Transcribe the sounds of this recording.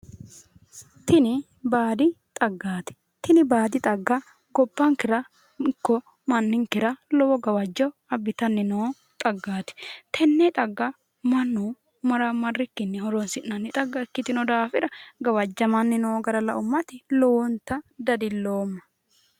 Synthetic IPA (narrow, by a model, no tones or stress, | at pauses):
t̪ɪnɪ | baːd̪ɪt̪ʼɐɡːaːt̪ɪ̥ | t̪ɪnɪbaːd̪ɪt̪ʼɐɡːɐ | ɡɔbːɐŋkɪɾɐ | ɪkːɔ | mɐnːɪŋkɪɾɐlɔwɔɡɐwɐd͡ʒːɐwɐbːɪt̪ɐnːɪnoː | t̪ʼɐɡːaːt̪ɪ̥t̪ʰɛnːɛt̪ʼɐɡːɐ | mɐnːu | mɐɾɐmɐrːɪkːɪnːɛhɔɾɔnsɪnːɐnːɪt̪ʼɐɡːɐɛkːɪt̪ɪnɔd̪aːfɪɾɐɡɐwɐd͡ʒːɐmɐnːɪnoːɡɐɾɐlɐ̰ʔʊmːɐt̪ɪlɔwɔnt̪ɐd̪ɐd̪ɪlːoːmːɐ̥